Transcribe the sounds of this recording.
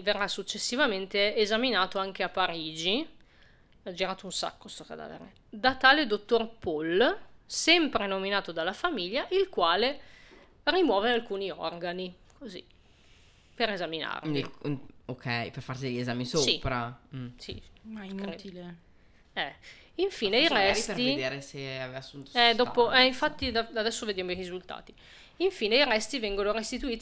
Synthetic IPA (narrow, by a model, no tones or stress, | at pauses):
verːasːut͡ʃːesːivament̪eːzaminaːt̪oaŋk̟eapːaɾiːd͡ʒi | ad͡ʒiɾaːt̪ounsa̰kːost̪okad̪a̰ːvḛɾḛ | d̪at̪aːled̪ot̪ːorpolsɛmpɾenominaːt̪od̪alːafamiʎːaʔilkwaːle | rimwɔːvealkuːniɔrɡani | kʰozḭ | peɾezamina̰ɾ | okʰɛjperfarsid̪eʎːiezamisosipɾasḭmait̪ile | ɛ | iɱfiːneiɾɛstried̪eːɾeseavevasːunt̪o̥sɛd̪ɔːpoɛiɱfat̪ːid̪aad̪ɛsːoved̪jamoirizult̪a̰ːt̪i | iɱfiːneiɾɛst̪ivɛŋɡonoɾest̪it̪uiːt̪